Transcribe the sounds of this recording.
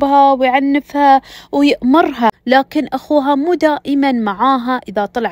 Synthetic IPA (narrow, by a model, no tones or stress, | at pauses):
bhawjʕanːɪfhawjɪʔmɑɾˤɦalaːkɪnʔaxuːɦamuːd̪aːʔɪmanmaʕaːɦaʔɪðat̪ˤɑlʕ